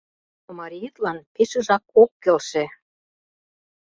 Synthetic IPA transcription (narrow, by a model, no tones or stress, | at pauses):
omɑɾʲijit̪lɑnpeʃɤ̆ʒɑkokːĕlʃĕ